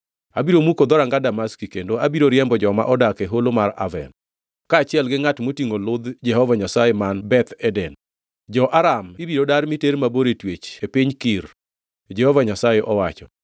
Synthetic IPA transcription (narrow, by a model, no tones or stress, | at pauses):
abiɾomukod̪ɔɾaŋɡadamaskikendoabiɾoɾjɛmbɔd͡ʒɔma̰ʔɔdakeɦolomaɾa̰vɛ̰n | kaːt͡ʃɪɛlɡɪŋatmotiŋolʊd̪d͡ʒɛhɔvaɲasajemanbɛt̪ɛdɛn | d͡ʒɔʔaɾamibiɾodaɾmiteɾmaboɾetwet͡ʃepiɲkiɾ | d͡ʒɛhɔvaɲasajeʔɔwat͡ʃɔ